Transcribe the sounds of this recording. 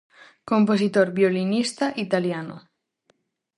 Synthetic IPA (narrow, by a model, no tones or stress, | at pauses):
kompos̬it̪oɾbjolinist̪aʔit̪aljano̰